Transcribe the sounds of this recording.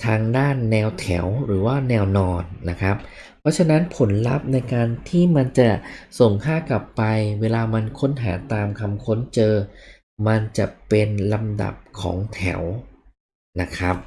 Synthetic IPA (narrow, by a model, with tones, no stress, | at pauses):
t̪ʰaː˧ŋdaː˥˩nːɛː˧wt̪ʰɛ̰˩˦wɾɯː˩˦waː˥˩nɛː˧wnɔː˧nːa˦˥kʰɾa˦˥p̚ | pʰɾɔ˦˥t͡ɕʰa˧na˦˥npʰo˩˦nla̰˦˥p̚na˧jkaː˧nt̪ʰiː˥˩ma˧nt͡ɕa˨˩so˨˩ŋkʰaː˥˩kla˨˩pːa˧jweː˧laː˧ma˧nkʰo˦˥nɦa̰ː˩˦t̪aː˧mkʰa˧mkʰo˦˥nt͡ɕɤː˧ | ma˧nt͡ɕa˨˩pe˧nla˧mda̰˨˩p̚kʰɔ̰ː˩˦ŋt̪ʰɛ̰˩˦w | na˦˥kʰɾa˦˥p̚